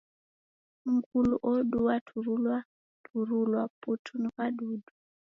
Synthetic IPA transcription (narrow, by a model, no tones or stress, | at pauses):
ŋ̩kuluʔɔɗuwatʰuɾulwa | tʰuɾulwaputʰunukaɗudu